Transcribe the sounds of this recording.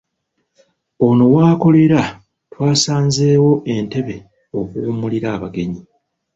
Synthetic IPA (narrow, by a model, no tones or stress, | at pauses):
o̞no̞waːko̞le̞ɾa | twaːsaːnze̞ːwo̞ʔe̞nte̞βe̞ | okumuliɾaːβaɡe̞ɲi